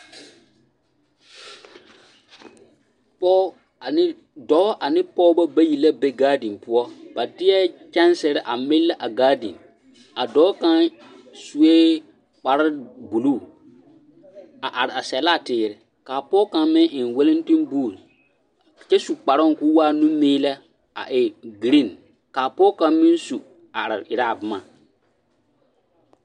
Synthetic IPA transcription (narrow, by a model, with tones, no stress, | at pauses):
pɔː˦ | a˨nɪ˦ | dɔ˨˦ʔa˨nɪ˦pɔ˦bɔ˦ba˦ji˨la˦be˦ɡaː˦dĩ˨npʊ˦ɔ˦b̥a˨tɪ˦ɛ˦t͡ʃɛ˦n˦sɛ˨ɾɛ˦ʔa˨mɪ˦lːa˦ʔa˨ɡaː˦dḭ˨n | a˨dɔː˨˦kã˦ | su˦e˦ | k͡pa˨ɾa˦bu˨luː˦˨ | a˨ʔa˨ɾɪ˨a˨sɛ˨la˦˨tɪː˨˦˨ɾɪ˨ | kaː˨pɔ˦kã˨mɪ̃˦nʔɪ˨nwe˦lɪ˦n˦ti˦nbuː˦˨l | t͡ʃɛ˦su˨k͡pa˨ɾɔ˦˨kʊ˦waː˦nũ˦miː˦lɛ˦ | a̰˨ʔɪ˨ɡi˨ɾi˦˨n | kaː˨pɔ˦kã˨mɪ˦nsu˨ | a˨ɾɪ˨ɪ˨ɾa˦˨bɪ˨ma˦˨